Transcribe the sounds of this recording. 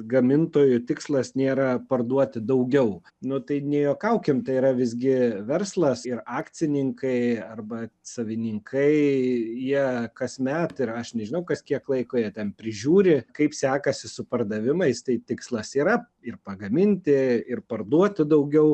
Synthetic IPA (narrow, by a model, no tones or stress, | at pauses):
ɡɐmʲɪnt̪oːjʊt̪ʲɪkslˠɐsnʲeːɾɐpɐrd̪uɔt̪ʲɪd̪ɐʊɡʲɛʊ | nʊt̪ɐɪnʲɛjoːkɐʊkʲɪmt̪ɐɪiːɾɐʋʲɪzʲɡʲɪʋʲɛrslˠɐsɪrɑːkt͡ssʲɪnʲɪŋkɐɪɐrbɐsɐʋʲɪnʲɪŋkʰɐɪjiɛkɐsʲmʲæt̪ɪɾɐʃnʲɛʒʲɪnɐʊkɐsʲkʲiɛklˠɐɪkoːjiɛt̪ʲɛnpʲɾʲɪʒʲuːɾʲɪkɐɪpsʲæːkɐsʲɪsʊpɐrd̪ɐʋʲɪmɐɪst̪ɐɪt̪ʲɪkslˠɐsiːɾɐ | ɪrpɐɡɐmʲɪnʲt̪ʲɪɪrpɐrd̪uɔt̪ʲɪd̪ɐʊɡʲɛʊ